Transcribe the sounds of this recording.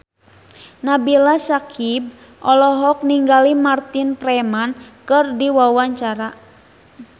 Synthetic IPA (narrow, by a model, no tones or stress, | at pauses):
nabilasakib̚ | ʔɔlɔɦɔk̚niŋɡalimart̪inpɾɛmankɨrdiwawaɲt͡ʃaɾa